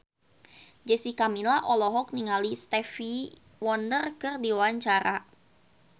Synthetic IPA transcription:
d͡ʒɛsikamilaʔɔlɔɦɔk̚niŋalist̪ɛfi | wɔndərkɨrdiwaɲt͡ʃaɾa

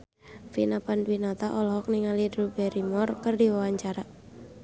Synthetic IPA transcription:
finapanwinat̪aʔɔlɦɔk̚niŋalidɾubɛɾimɔrkərdiwawaɲt͡ʃaɾa

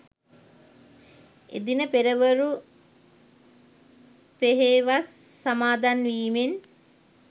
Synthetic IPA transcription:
ḛd̪inəpeɾəʋəɾu | peɦeːʋasː | amaːd̪anʋiːmen

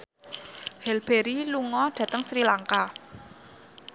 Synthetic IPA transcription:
hɛlb̥eɾiluŋɔɖ̥ä̤t̪əŋsɾilaŋka

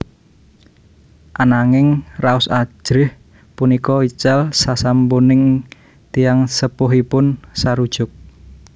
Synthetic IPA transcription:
ʔanaŋɪŋraʊsḁʒ̥ɾɪh | punikɔit͡ʃalsasampunɪŋ | t̪ijaŋsəpʊɦipʊnsaɾud̥ʒ̥ʊk̚

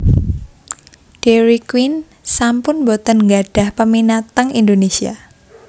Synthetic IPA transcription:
d̥eɾikwin | sampʊnbot̪ənŋɡaɖ̥a̤hpəminat̪əŋind̪onesia̰

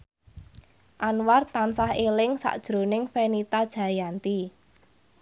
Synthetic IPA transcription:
ʔanwart̪ansahelɪŋsa̰ʔd̥ʒ̥ɾo̤nɪŋfenit̪ad̥ʒ̥ä̤jant̪i

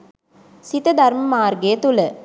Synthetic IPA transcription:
sit̪əd̪ɐɾməmaːrɡeːət̪ulə

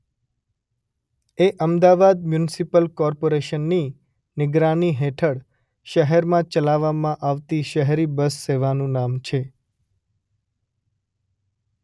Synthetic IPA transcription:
eʔəmd̪aʋad̪̚mjunɪsipəlkɔɾpoɾeʃənːi | nɪɡɾaniɦet̪ʰəɽ | ʃəɦɛɾmãt͡ʃəlaʋamãʔaʋt̪iʃəɦɾibəsːeʋanũnamt͡ʃʰe

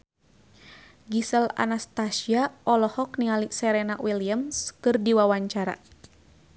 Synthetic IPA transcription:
ɡisəla̰nast̪asiaʔɔlɔhɔk̚niŋalisɛɾɛnawiliamskɨrdiwawaɲt͡ʃaɾa̰

